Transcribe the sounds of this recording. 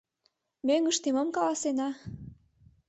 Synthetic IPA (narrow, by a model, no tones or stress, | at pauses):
møŋəʃt̪iməmkɑlɑsenɑ